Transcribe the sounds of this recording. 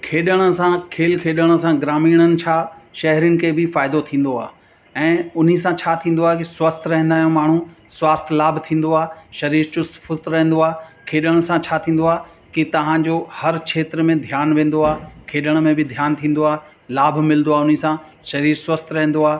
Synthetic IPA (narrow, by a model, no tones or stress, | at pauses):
kʰeːɗəɽ̃ə̆sãkʰeːlkʰeːɗəɽ̃ə̆sãɡɾaːmiːɽ̃ənɪ̆t͡ɕʰaːʃɐɦɾənɪ̆kʰeːbɪfaːɪd̪ot̪ʰĩːn̆d̪oa̰ː | ɛ̃ːʊn̤is̬ãt͡ɕʰaːt̪ʰĩːn̆d̪oaːɦkiswɐst̪ɾɐɦɛ̃nd̪aːjõmaːɳ̤ũswaːst̪laːbʱt̪ʰĩːn̆d̪oaːʃɐɾiːɾt͡ɕʊst̪fʊst̪ɾɐɦɛ̃n̆d̪oaːkʰeːɗəɽ̃əsãt͡ɕʰaːt̪ʰĩːn̆d̪oaːɦkit̪ɐʋ̤ãd͡ʑohɐɾt͡ɕʰeːt̪ɾəmẽd̪ʱjaːnʋẽːn̆d̪oaːkʰeːɗəɽ̃ə̆mẽbɪd̪ʱjaːnt̪ʰĩːn̆d̪oaː | laːbʱmɪlnd̪oaːʊnisã | ʃɐɾiːɾswɐst̪ɾɐɦɛ̃n̆d̪oaː